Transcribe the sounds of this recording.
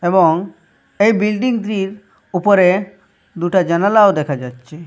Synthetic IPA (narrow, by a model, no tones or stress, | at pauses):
eboŋ | ejbilɖiŋd̪ɾiɾ | upoɾe | d̪uʈad͡ʑɛnalaod̪ɛkʰad͡ʑatːɕʰe